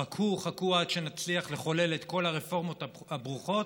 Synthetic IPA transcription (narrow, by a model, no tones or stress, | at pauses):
akʰuχakuadʃe̞nat͡sliaχle̞χo̞le̞le̞t̪ko̞laʁefo̞ʁmo̞t̪ | abʁuχo̞t